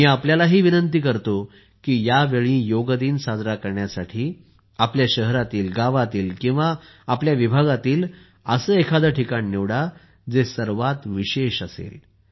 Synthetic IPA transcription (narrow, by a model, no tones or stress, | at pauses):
miːapljalaɦiːʋinənt̪iːkəɾt̪o | kiːjaʋeɭĩjoɡd̪iːnsad͡zɾakəɾɳjasaʈʰiː | apljaɕəɦɾat̪iːlɡaʋat̪iːlkĩw̃ʋaː | pljaʋibʱaɡat̪iːl | əsəːekʰad̪əʈʰikaniːiʋɽa | d͡zesəɾʋat̪ʋiɕeɕəsḛl